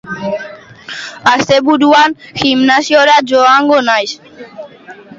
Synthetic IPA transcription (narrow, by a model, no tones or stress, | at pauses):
ast̪ebuduanximnasioɾad͡ʒoaŋɡonajs